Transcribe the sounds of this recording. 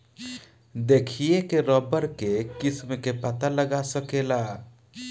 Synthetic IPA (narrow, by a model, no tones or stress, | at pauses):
d̪ekʰijekeɾɔbəɾkekɪsmkepət̪aləɡasəkela